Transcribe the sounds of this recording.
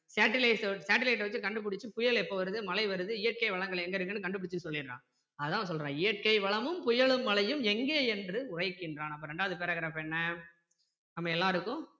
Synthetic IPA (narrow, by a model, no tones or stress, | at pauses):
saːʈːɪlɐɪssaːʈːɪlɐɪʈ̬ːʋɐt͡ʃːɯkɐɳɖɯp̬ɪɽɪt͡ʃːɯpʊjɐɭɛpːoːʋɐɾɯðɯmɐlɐɪʋɐɾɯðɯɪjɐʈ̚kɐɪʋɐɭɐŋɡɐɭɛŋɡɐɪɾɯkːɐnːɯkɐɳɖɯpːʊɽɪt͡ʃːɯsɔlːɪnːã̰ː | ɐðɯt̪ãːs̬ɔlrɾãːɪjɐʈ̚kɐɪʋɐɭɐmɯmpʊjɐɭɯmːɐlɐjɯmɛŋɡeːɛndrɯʊrɐɪkːɪndraːnɐp̬ːoːɾɛɳɖaːʋɐðɯpeːɾɐɣɪɾaːfɛnːɐ | nɐmːɐɛlːaːɪɾɯkːʊ̃